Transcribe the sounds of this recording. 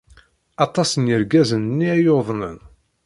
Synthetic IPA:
ɑt̪ˤɑsənjəɾɡæzənnːiæjoðˤnən

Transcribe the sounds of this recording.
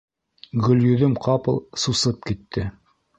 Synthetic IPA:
ɡɵ̆ljɵ̆ðɵmqʰɑpɤ̰̆lˠsusɤp̚kit̪ːɘ

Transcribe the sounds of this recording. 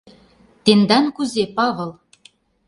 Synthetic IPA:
t̪end̪ɑnkuzepɑβɤ̆lˠ

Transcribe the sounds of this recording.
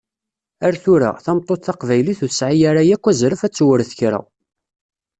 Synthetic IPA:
æɾθʊɾæ̰θæmt̪ˤːoθθɑqvæjliθuθəsʕijaɾajækʷːæzɾəfæt͡sːwəɾθçɾə̰

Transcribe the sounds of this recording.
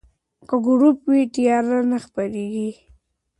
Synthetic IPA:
kəɡʊɾupwit̪ijɑɾlanaxpaɾeɡi

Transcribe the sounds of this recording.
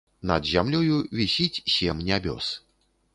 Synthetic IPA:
nɐd̪zʲamlʲɔjuvʲisʲit͡sʲːɛmnʲabʲɔ̰s

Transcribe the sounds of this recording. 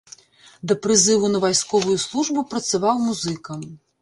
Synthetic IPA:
d̪ɐpɾɨzɨvunɐvajskɔvujuslˠuʐbupɾɐt̪sɐvawmuzɨkɐm

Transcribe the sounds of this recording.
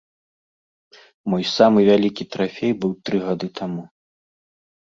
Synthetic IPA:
mɔjsamɨvʲalʲikʲit̪ɾafʲejbɨwt̪ɾɨɣad̪ɨt̪ʰamu

